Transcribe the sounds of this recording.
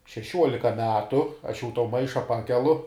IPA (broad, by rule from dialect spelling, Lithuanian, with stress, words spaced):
ʃʲɛˈʃʲuɔlʲɪkɐ ˈmʲæːtʊ ɐʃ jɛʊ toː ˈmɐɪʃɐ ˈpɑːkʲɛlˠʊ